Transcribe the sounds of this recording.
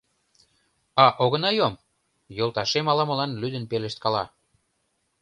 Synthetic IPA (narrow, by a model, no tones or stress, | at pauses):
ɑʔoɣə̆nɑjom | jolt̪ɑʃemɑlɑmə̆lɑnlyd̪ə̆npeleʃt̪̚kɑlɑ